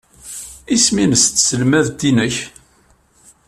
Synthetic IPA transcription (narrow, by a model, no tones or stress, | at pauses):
isminəst̪səlmæðt̪ːinəç